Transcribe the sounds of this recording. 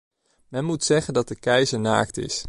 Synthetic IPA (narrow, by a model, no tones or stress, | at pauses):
mɛnmutsɛχəndɑt̚dəkɛjzəɹna̰ːktɪ̰s